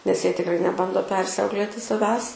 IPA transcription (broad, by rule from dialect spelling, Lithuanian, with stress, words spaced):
nʲɛs ˈjiɛ tʲɪkˈrɐɪ nʲɛˈbɐndoː ˈpʲɛrʲsʲɛʊklʲeːtʲɪ sɐˈʋʲæːs